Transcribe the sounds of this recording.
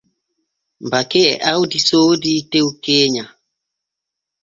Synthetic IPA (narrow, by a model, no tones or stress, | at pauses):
mbakeɛ̰ʔawdisoːditeukeːɲa